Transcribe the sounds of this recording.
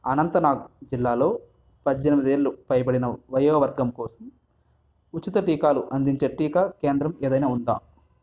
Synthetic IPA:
ɐnɐnt̪ɐnaːɡd͡ʒilːaːlo̞ː | pɐd͡ʒd͡ʒɐnɐmid̪eːɾlupɐjɐp̬ɐɽinɐʋɐjɐːɐʋɐɾɡɐmkɔːsɐm | ut͡ʃːit̪ɐʈiːkaːluʔɐnd̪iɲt͡ʃeʈiːkaːke̞ːnd̪ɾɐmeːd̪ɐjnaːund̪a̰ː

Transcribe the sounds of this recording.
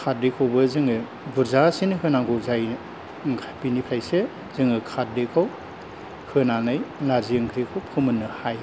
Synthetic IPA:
kʰat̚dekʰawbɯzɯŋɯ | buɾzasinhɯnaŋɡozaj | ŋkʰapinipʰɾajse | z̥ɯŋɯkʰat̚dekʰaw | hɯnanɯjlaziɯŋkʰɾikʰawkʰɯmɯnːɯhaj

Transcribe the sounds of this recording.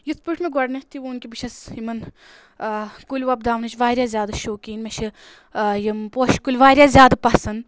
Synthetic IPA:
jit̪ʰpɨʈʰmeɡɔɽnɐt̪ʰiʋunkʲibɨt͡ʃʰɐsimɐn | kulʲʋɐb̚d̪aːʋnɐt͡ʃʰʋaːɾʲjaːzʲjaːd̪ɐʃoːkiːnmʲet͡ʃʰi | jimpoʃkulʲʋaːɾʲjaːzʲjaːd̪apɐsɐn

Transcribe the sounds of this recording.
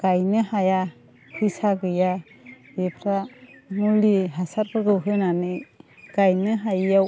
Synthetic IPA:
ɡ̥ajnɯɦaja | hisaɡɯja | bepʰɾanuliɦasaɾpɯɡɯwɦɯnanɯɡ̥ajnɯɦajjaw

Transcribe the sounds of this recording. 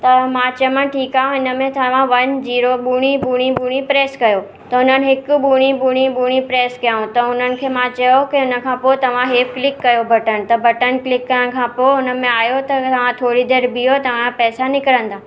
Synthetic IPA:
t̪ɐmãːt͡ɕɐmãʈʰiːkaːɦũɪnəmẽt̪ɐʋ̤ãʋɐnziːɾoɓuːɽ̃ibʱuːɽ̃ĩbuːɽ̃ĩpɾeːskɐjo | t̪ɐʊn̤ənɪ̆ɦɪkʊ̆ɓuːɽ̃ibuːɽ̃ibuːɽ̃ipɾeːskijaːɦũt̪ɐʊn̤ənɪ̆kʰeːmãt͡ɕɐjokeʊnə̆kʰãpoːet̪ɐʋ̤ãɦeːfklɪkːɐjobʱɐʈən̆t̪ɐbʱɐʈənklɪkːɐɾəɽ̃kʰãːpoːʊnə̆mẽaːjot̪ɐt̪ɐʋ̤ãt̪ʰoːɽid̪eːɾbijot̪ɐʋ̤ãpɛːsanɪkəɾə̃nd̪aː

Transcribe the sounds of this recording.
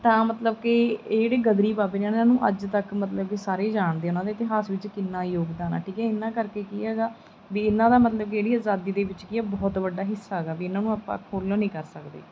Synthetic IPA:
t̪ãːmət̪ləb̚keːɽeːɡəd̪ɾiːbaːbeːnẽːnnãːnũːʔəd͡ʒt̪əkmət̪ləb̚kesaːɾeːd͡ʒaːɳd̪eːʊnãːd̪eːɪt̪ɪɦaːsʋɪt͡ʃkɪnːãːjoːɡd̪aːna̰ːʈʰiːkɛːɪnːãːkəɾkeːkiːɛːɡaː | ʋiːɪnːãːd̪aːmət̪ləb̚keːɽiːaːzaːd̪iːd̪eːʋɪt͡ʃkɪaːbɔːt̪ʋəɖːaːɦɪsːaːɦɡaːʋiːɪnãːnũːaːpã̰ːkʰoːlonĩːkəɾsəkd̪ḛː

